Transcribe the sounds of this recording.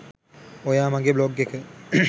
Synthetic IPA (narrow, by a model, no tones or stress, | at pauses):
ojaːmaŋɡebloɡekə